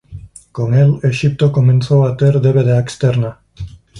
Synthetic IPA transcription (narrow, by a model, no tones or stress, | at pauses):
koŋeleʃip̚t̪okomẽnθowat̪eɾd̪eβeðeekst̪eɾna